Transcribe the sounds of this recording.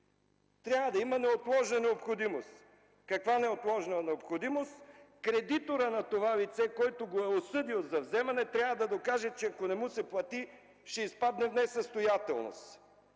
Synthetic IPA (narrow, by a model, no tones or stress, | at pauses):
t̪ɾʲavəd̪ɐimɐnɛot̪lˠɔʒnənɛopxod̪imost̪ | kɐkvanɛot̪lˠɔʒnənɛopxod̪imost̪kɾɛd̪it̪oɾənɐt̪ovalit̪sɛkɔjt̪oɡoɛosɤd̪ilˠzɐvzɛmɐnɛt̪ɾʲjavɐd̪ɐd̪okaʒɛt͡ʃɛɐkonɛmusɛplˠɐt̪i | ʃɛispad̪nɛvnɛsɐst̪ojat̪ɛ̰lˠno̰s